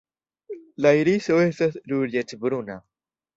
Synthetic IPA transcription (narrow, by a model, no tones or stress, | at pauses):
laiɾisoest̪asluɾɟet̪bɾuna